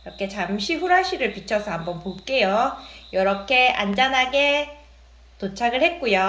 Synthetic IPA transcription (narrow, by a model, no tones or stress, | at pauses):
ɾʌkʰe̞t͡ɕamɕʰiɸuɾaɕʰiɡɯɭpit͡ɕʰʌsʰʌɦambʌnpok͈e̞jojʌɾʌkʰe̞a̰nd͡ʑanɦaɡe̞ | tot͡ɕʰaɡɯɭhe̞t̚k͈ujo